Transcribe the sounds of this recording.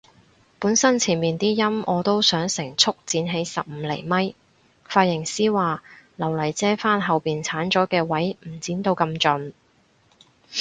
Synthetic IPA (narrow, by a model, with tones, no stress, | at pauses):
puː˨˥nsɐ˥nt͡sʰiː˨˩nmiː˨nt̪iː˥jɐ˥mʔɔː˨˧t̪o˥wsœː˨˥ŋsɪ˨˩ŋt͡sʰʊ˥k̚t͡siː˨˧nɦe˨˥jsɐ˨p̚m̩ː˨˧lɛ˨˩jmɐ˥j | faː˧t̚jɪ˨˩ŋsiː˥waː˨˧lɐ˨˩wlɐ˨˩jt͡sɛː˥faː˥nɦɐ˨wpiː˨nt͡sʰaː˨˥nt͡ʃɔː˨˥kɛː˧wɐ˨˥jm̩˨˩t͡siː˨˥nt̪o˧wkɐ˧mt͡ʃɵ˨˧n